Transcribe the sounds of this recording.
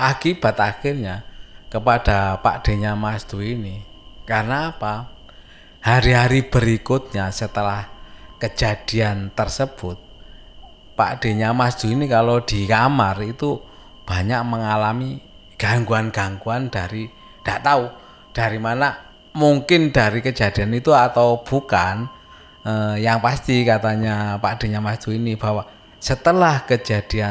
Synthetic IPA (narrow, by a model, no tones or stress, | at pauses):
ʔakib̥a̤t̪axɪrɲakəpad̥apa̰d̥e̤ɲamasd̪̥uini | karnaːpa | haɾiɦaɾib̥əɾikʊt̪̚ɲasət̪əlahkəd͡ʒ̥ad̥i̤ant̪ərsəb̥ʊt̪̚ | pa̰ʔd̥e̤ɲamasd̪̥ṳinikalod̪̥ikamarit̪u | b̥aɲaʔməŋalami | ɡ̥aŋɡuanɡ̥aŋɡuand̥aɾi | d̥aʔt̪au | d̥aɾimana | muŋkɪnd̥aɾikəd͡ʒ̥a̤d̪̥i̤anit̪uat̪awb̥ukan | əjaŋpast̪ikat̪aɲapad̥e̤ɲamasd̪̥uinib̥a̤wa | sət̪əlahkəd͡ʒ̥a̤d̪̥ia